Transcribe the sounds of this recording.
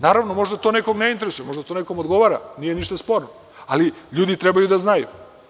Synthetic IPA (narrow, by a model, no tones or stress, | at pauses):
naːɾaʋnomo̞ʐd̪at̪onekoɡneint̪eɾesujeo̞ʒd̪at̪onekomod̪ɡoʋaɾa̰nijeniʃt̪aspo̞ɾno | aliʎuːd̪it̪ɾebajud̪aznajṵ